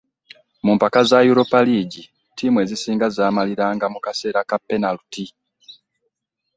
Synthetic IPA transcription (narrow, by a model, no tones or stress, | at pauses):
mumpakazajuɾo̞paliːɟi | tiːmwe̞ːzisiːŋɡazaːmaliɾaːŋɡamukase̞ːɾakapːe̞naluti